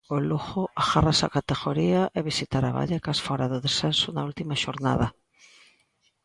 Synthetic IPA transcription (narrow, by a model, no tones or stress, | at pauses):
oluxoaɣarasa̰kat̪eɣoɾiaʔɛβisit̪aɾa̰βa̰ʎekasfɔɾaðoðesθensʊnault̪imaʃoɾna̰ða